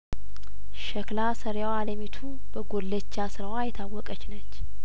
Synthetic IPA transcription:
ʃəklasəɾjwaləmit̪ʰu | bəɡolːət͡ʃːasɨɾəwajɛt̪ʰawːɔkʼət͡ʃːnət͡ʃː

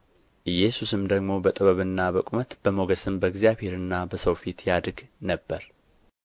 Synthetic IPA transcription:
ʔɨjːɛsusɨmd̪əɡmo̞bət̪ʼɨβəβɨnːabəkʼumət̪b̥əmoɡəsɨmbəɡzijaβhe̞ɾɨnːabəsəwfit̪jad̪ɡnəbːəɾ

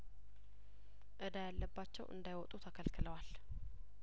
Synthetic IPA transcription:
ʔɨd̪ajalːəbːat͡ʃːɛ̰wʔɨ̰nd̪ajwɔt̪ʼut̪ʰakʰəlkʰɨləwal

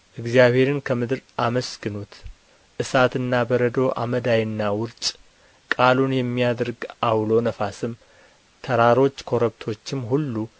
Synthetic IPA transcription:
ʔɨɡzijaβhe̞ɾɨnkʰəmɨd̪ɾʔaməsɡɨnut̪ | ʔɨsat̪ɨnːabəɾəd̪o̞ʔa̰məd̪ajɨnːawʊɾt͡ʃʼ | kʼalunjɛmːijad̪ɾɡawlo̞nəfasɨm | t̪ʰəɾaɾo̞t͡ʃːkʰo̞ɾəβt̪ʰo̞t͡ʃːɪmɦulːu

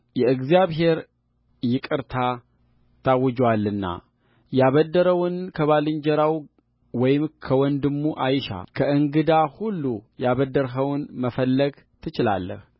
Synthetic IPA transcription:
jɛɨɡzijaβɦe̞ɾ | jɪkʼɨɾt̪ʰa | t̪ʰawːɨd͡ʒwalːɨnːa̰ | jaβəd̪ːəɾəwnkʰəβalɨɲd͡ʒɛɾaw | wɔjɪmkʰəwɔnd̪ɨmːuʔajʃa̰kʰəʔɨŋɡɨd̪ahulːujaβəd̪ːəɾɦəwnməfəlːəɡ | t̪ʰɨt͡ʃɪla̰lːə̰h

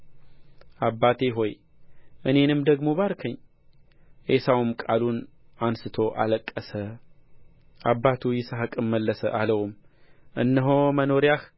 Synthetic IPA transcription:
ʔabːat̪ʰe̞ɦo̞j | ʔɨne̞nɨmd̪əɡmo̞baɾkʰəɲː | ʔesawmkʼalun | ʔansɨt̪ʰo̞ʔa̰ləkʼːəsə | ʔabːat̪ʰujɪsaɦɨkʼɨmːəlːəsə̰ʔaləwm | ʔɨnːəɦoməno̞ɾjah

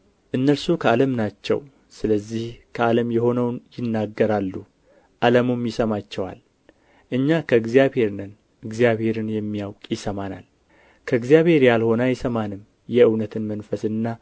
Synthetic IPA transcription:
ʔɨnːəɾsukʰəaləmnat͡ʃːɛ̰w | sɨləzːihkʰəaləmjɛho̞nəwnjɪnːaɡːəɾalːu | ʔaləmumjɪsəmat͡ʃːɛwa̰l | ʔɨɲːakʰəɨɡzijaβhe̞ɾnɨn | ɨɡzijaβhe̞ɾɨnjɛmːijawkʼjɪsəmana̰l | kʰəɨɡzijaβhe̞ɾjalho̞najɛsəmanɨm | jɛɨwnət̪ʰɨnmənfəsɨnːa

